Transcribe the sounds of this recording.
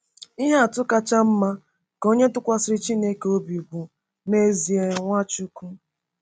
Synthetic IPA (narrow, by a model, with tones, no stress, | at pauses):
i˦ɦe˦a˨tʊ˦ka˦t͡ʃa˦m̩˦ma˦ | ko˦ɲe˦tʊ˦kʷa˦sɪ˦ɾɪ˦t͡ʃi˦ne˦ke˨o˦bi˨u˨bu˨ | me˦zi˨e˨ŋʷa˦t͡ʃu˦ku˦